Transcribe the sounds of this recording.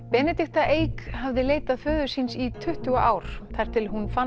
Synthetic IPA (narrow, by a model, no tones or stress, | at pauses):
pɛnɛt̪ɪht̪aʔeːjkhavðɪleːjt̪aðfœːðʏ̥sinsit̪ʰʏht̪ʏɣaʔaːwɾ̥θajɾ̥t̪ʰɪlɦunfa